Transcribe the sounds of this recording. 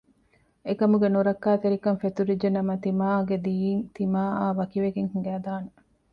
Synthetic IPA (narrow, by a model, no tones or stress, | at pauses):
ekɐmuɡenuɾɐkːaːt̪eɾikɐnfet̪uɾid͡ʒenɐmɐt̪imaːɡed̪iːiŋt̪imaːaːʋɐkiʋeɡeŋhuŋɡæːd̪aːne